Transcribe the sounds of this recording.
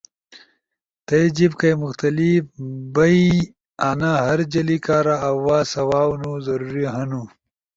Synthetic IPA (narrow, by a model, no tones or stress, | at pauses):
t̪ɐjd͡ʑib̚kɐjmʊxt̪ɐlifbɐi | anaɦɐɾd͡ʑɐlikaːɾaːwaːsɐwaːwnuzɐɾuɾiɦɐnu